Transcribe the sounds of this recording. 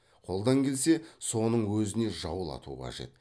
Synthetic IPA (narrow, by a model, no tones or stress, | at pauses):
qʰo̞lˠd̪ɑŋkʲʰe̞lse̞so̞nəɴwɵzɪne̞ʒɑwəlˠɑ̰t̪ṵəqʰɑ̰ʒe̞̰t̪